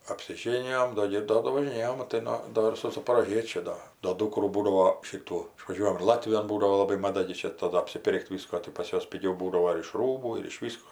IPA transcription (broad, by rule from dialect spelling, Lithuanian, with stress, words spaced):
ɐpʲsʲɪˈʒʲeːnʲɪjoːm ˈdoː ɡʲɪ ɪr ˈdoː doː ʋɐʒʲɪˈnʲeːjoːm mɐˈtɐɪ noː ˈdoː ɪr sʊ zɐpoːroːˈʒʲiɛt͡ʃʲʊ ˈdoː doː ˈduːkruː ˈbuːdɐʋoː ˈʃʲɪtuː ɪʃʋɐˈʒʲuɔjɛm ɪr ˈlˠɑːtʲʋʲɪjoːn ˈbuːdɐʋoː lˠɐˈbɐɪ mɐˈdɐ ɡʲɪ ˈt͡ʃʲɛ tɐˈdʊ ɐpʲsʲɪˈpʲɪrʲkʲtʲ ˈʋʲɪskoː tɐɪ pɐs ˈjuɔs pʲɪˈɡʲɛʊ ˈbuːdɐʋoː ɪr ɪʃ ˈruːbuː ɪr ɪʃ ˈʋʲiːskoː